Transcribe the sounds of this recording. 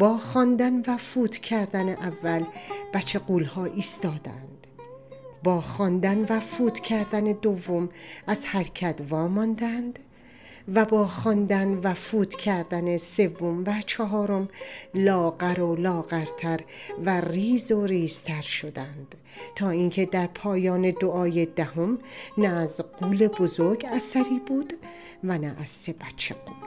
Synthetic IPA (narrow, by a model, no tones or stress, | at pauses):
b̥ɒːxɒːnd̪ænvæfuːt̪ʰcʰæɾd̪æneʔævːælb̥æt͡ʃʰeɡuːlhɒːʔiːst̪ɒːd̪æ̰nd̪̥ | bɒːxɒnd̪ænvæfuːt̪cʰæɾd̪æned̪ovːomæzhæɾcʰæt̪vɒːmɒnd̪ænd̪ | væbɒːxɒnd̪ænvæfuːt̪ʰcʰæɾd̪ænese̞vːomvæt͡ʃʰɒɦɒːɾo̞mlɒːɡæɾolɒːɣæɾt̪ʰæɾværiːzoɾiːz̥t̪ʰæɾʃo̞d̪ænd̪̥ | t̪ʰɒːiːŋcʰe̞d̪æɾpʰɒːjɒːne̞d̪oʔɒːjed̪æɦomnæːzɢuːle̞bozoɾɡæsæɾiːbuːd̪ | vænæʔːz̥se̞bæt͡ʃʰːe